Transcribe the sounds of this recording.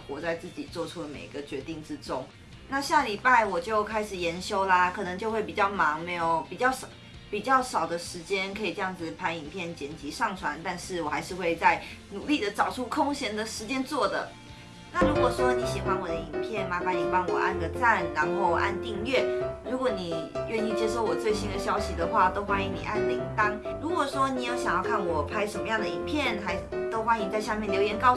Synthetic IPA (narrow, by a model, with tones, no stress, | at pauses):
kwɔ˨˧˥t͡sa˥˧ɪt͡sɹ̩˥˩t͡ɕḭ˨˩t͡swɔ˥˩ʈ͡ʂʰu˦lə˨mḛ˨˩ɪi˧ɡə˧t͡ɕɥɛ˧˥t̪i˥˩ŋʈ͡ʂɻ̩˦ʈ͡ʂʊ˥ŋ | na˥˧ɕja˥˩li˨˩pa˥˩ɪwɔ˨˩t͡ɕjo˥˩ʊkʰa˥ɪʂɻ̩˨˩jɛ˧˥nɕjo˥ʊlə˨kʰɤ˨˩nə˧˥ŋt͡ɕjo˥˧ʊxwe˥˩ɪpi˨˩t͡ɕjɑ˥˩ʊmɑ˧˥ŋme˧˥ɪjo˨˩ʊpi˨˩t͡ɕjɑ˥˩ʊʂɑ˨˩ | pi˨˩t͡ɕjɑ˥˩ʊʂɑ˨˩ʊd̪ə˦ʂɻ̩˧˥t͡ɕjɛ˥nkʰɤ˧˥i˨˩ʈ͡ʂɤ˥˧jɑ˥˩ŋd͡z̩˨˩pʰa˧˥ni˨˩ŋpʰjɛ˥˩nt͡ɕjɛ˧˨˩nt͡ɕi˧˥ʂɑ˥˩ŋʈ͡ʂʰwa˧˦nt̪a˥˧nʂɻ̩˥˩wɔ˨˩xa˧˥ɪʂɻ̩˥˧xwe˥˧ɪt͡sa˥˩ɪnu˨˩li˥˩d̪ə˩ʈ͡ʂɑ˨˩ʊʈ͡ʂʰu˥kʰʊ˥ŋɕjɛ˧˥nd̪ə˨ʂɻ̩˧˥t͡ɕjɛ˥nt͡swɔ˥˩d̪ə̰˩ | na˥˩ɻu˧˥kwɔ˨˩ʂwɔ˥ni˧˥ɕi˨˩xwa˧˥nwɔ˨˩d̪ə˦i˨˩npʰjɛ˥˩nma˧˥fa˧˥ni˨˩pɑ˥˩ŋwɔ˨˩ʔa̰˥˩nɡə˩t͡sa˥˩nɻa˧˥nxo˥˩ʊʔa̰˥˧nt̪i˥˧ŋɥɛ˥˩ɻu˧˥kwɔ˧˥ni˨˩ɥɛ˥˧ni˥˩t͡ɕjɛ˥ʂo˥˩ʊwɔ˨˩t͡swe˥˩ɪɕi˥nd̪ə˨ɕjɑ˥ʊɕi˨d̪ə˨xwa˥˩t̪o˥ʊxwa˥ni˧˥ŋni˨˩ʔa˥˧nli˥˩ŋt̪ɑ˥ŋ | ɻu˧˥kwɔ˨˩ʂwɔ˥ni˨˩jo˥˩ʊɕjɑ˨˩ŋjɑ˥˧ʊkʰa˥˩nwɔ˨˩pʰa˥ɪʂə˧nmə˧jɑ˥˩ŋd̪ə˩i˨˩npʰjɛ˥˩nxa˧˥ɪt̪o˥ʊxwa˥nĩ˧ŋt͡sa˥˧ɪɕja˥˧mjɛ˥˩nljo˧ʊjɛ˧˥nkɑ˥˧ʊ